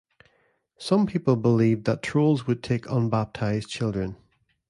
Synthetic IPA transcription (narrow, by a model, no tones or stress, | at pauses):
sʌ̃mpʰipəlˠbɪlˠiːvðətʰɹ̥olˠzwəd̚tʰekʰʌ̃nbap̚tʰaɪz̥t͡ʃʰɪlˠdɹə̃n